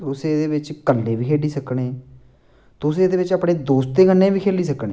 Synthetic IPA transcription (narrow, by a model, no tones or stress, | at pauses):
ʊsed̪eːbɪt͡ʃkəlːeːʋiːkʰeːɖiːsəkɳeː | t̪ʊseːd̪eːʋɪt͡ʃəpɽeːd̪oːst̪eːɡənːeːʋiːkʰeːliːsəkɳe